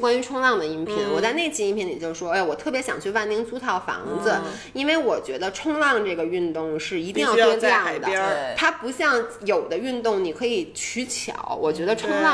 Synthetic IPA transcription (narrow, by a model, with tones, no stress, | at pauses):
kwa˥ny˧˥ʈ͡ʂʰʊ˥ŋlɑ˥˩ŋd̪ə˩i˧˥npʰi˧˥nwɔ˨˩t͡sa˥˧ɪne˥˧ɪt͡ɕʰi˧i˥npʰjɛ˧˥nli˨˩t͡ɕjo˥˧ʊʂwɔ˥a˥˩wɔ˨˩t̪ʰɤ˥˩pjɛ˧˥ɕjɑ˨˩ŋt͡ɕʰy˥˧wa˥˩nt̪i˥ŋt͡su˥t̪ʰɑ˨˩ʊfɑ̰˧˥ŋd͡z̩˧ | i˥nwe˥˩ɪwɔ˨˩t͡ɕɥɛ˧˥d̪ə˧ʈ͡ʂʰʊ˥ŋlɑ˥˧ŋʈ͡ʂɤ˥˩ɡə˩y˥˧nt̪ʊ˥˧ŋʂɻ̩˥˩i˧˥t̪i˥˧ŋjɑ˥˧ʊ˥ɔ˧˥˧jɑ˥˩˨ŋd̪ə˩˥t̪ʰa˥pu˧˥ɕjɑ˥˩ŋ | jo˨˩ʊd̪ə˦y˥˧nt̪ʊ˥˩ŋni˨˩kʰɤ˧˥i˨˩t͡ɕʰy˧˥t͡ɕʰjɑ̰˨˩˦ʊwʔɔ˨˩t͡ɕɥɛ˧˥d̪ə˧ʈ͡ʂʰʊ˥ŋlɑ˥˩